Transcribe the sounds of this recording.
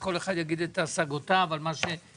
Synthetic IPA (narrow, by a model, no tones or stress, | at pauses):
ko̞le̞χad̪jaɡid̪et̪aːsaɡotaːvalmaʃe̞